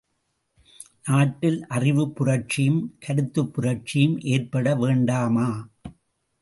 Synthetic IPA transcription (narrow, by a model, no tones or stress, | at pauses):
naːʈːɪlʔɐrɪʋɯpːʊrɐɾt͡ʃɪjɯmkʰɐɽɯt̪ːɯpːʊrɐɾt͡ʃɪjɯmʔeːrpɐɽɐʋeːɳɖaːmaː